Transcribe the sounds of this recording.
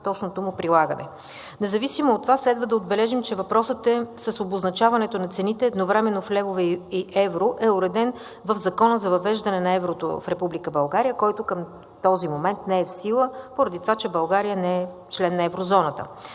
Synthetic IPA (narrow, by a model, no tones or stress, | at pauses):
t̪ɔt͡ʃnot̪omʊpɾilˠaɡənɛ̰ | nɛzɐvisimoːt̪ːovaslɛd̪vəd̪ɐod̪bɛlɛʒimt͡ʃɛvɐpɾɔsət̪ɛsəsoboznɐt͡ʃavɐnɛt̪onɐt̪sɛnit̪ɛːd̪novɾɛmɛnːoflɛvovɛiʔɛvɾoʔɛʊɾɛd̪ɛn | vəvzɐkɔnəzɐvɐvɛʒd̪ɐnɛnɐɛvɾot̪o̰fɾɛpublikəbɐlˠɡaɾijəkɔjt̪okəm | t̪ɔzimomɛnt̪nɛɛfsilˠəpoɾɐd̪it̪ovat͡ʃɛbɐlˠɡaɾijənɛɛ | t͡ʃlɛnːɐɛvɾozɔnət̪ə̰